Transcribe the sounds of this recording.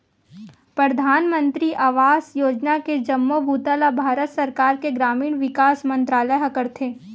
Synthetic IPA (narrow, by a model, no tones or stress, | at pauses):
pɾəd̪ʱaːnmə̃nt̪ɾiʔaːʋaːsjoːd͡ʒnaked͡ʒɐmːobʱuːt̪alabʱaːɾət̪sɐɾkaːɾkeɡɾaːmiːɽ̃ʋɪkaːsmɐ̃nt̪ɾaːləjɦɐkəɾt̪ʰeː